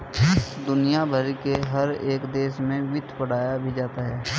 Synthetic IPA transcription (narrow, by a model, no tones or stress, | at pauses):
d̪ʊnijabʱəɾikeɦɐɾeːkd̪eːʃmẽʋɪt̪ʰpəɽ̤aːjabʱid͡ʒaːt̪aɦɛː